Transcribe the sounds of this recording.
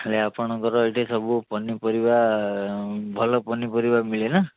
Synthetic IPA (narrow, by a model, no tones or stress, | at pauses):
leapɔɽ̃ɔkɔɾɔejʈʰesɔbupɔnipɔɾiba | bʱɔlɔpɔnipɔɾibamiɭena